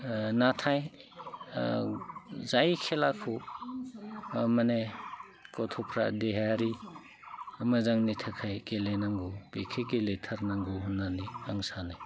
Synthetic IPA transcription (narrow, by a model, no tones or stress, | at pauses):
natʰaj | zajkʰelakʰu | mane | kɔtʰɔpʰɾa̰deɦaɾi | mazaŋnitʰakʰajkelenaŋɡubekʰeɡeletʰɐɾnaŋɡuɦunaniaŋsanaj